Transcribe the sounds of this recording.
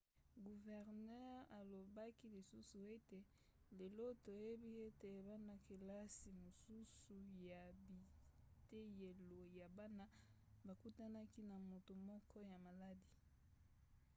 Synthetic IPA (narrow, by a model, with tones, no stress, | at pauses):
ɡu˨vɛ˨ʁnɛ˦ʁa˨lo˨ba˦ki˦li˨su˦su˨e˦te˨ | le˨lo˦to˨e˦bi˦e˦te˨ba˦na˦ke˨la˦si˨mo˨su˦su˨ja˨bi˨te˦je˨lo˨ja˨ba˦na˦ba˨ku˦ta˦na˦ki˦na˨mo˨to˨mɔ˦kʰɔ˦ja˨ma˨la˦di˨